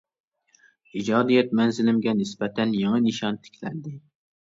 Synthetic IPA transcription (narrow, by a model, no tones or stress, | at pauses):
id͡ʒɑːd̪ijɛt̪̚mɛnzɪlɪmɡʲɛnɪsbɛt̪ʰɛnjɑŋɨnɨʃɑnt̪ʰɪ̥kʲʰlɛnd̪ɪ